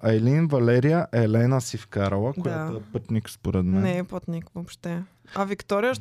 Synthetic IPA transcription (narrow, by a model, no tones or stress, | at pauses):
ɐjlinvɐlɛɾijəʔɛlɛnəsifkaɾɐlˠəkojat̪oɛpɤt̪nikspoɾɛd̪mɛnɛːpət̪nikvopʃt̪ɛ | ɐvikt̪ɔɾijəʃ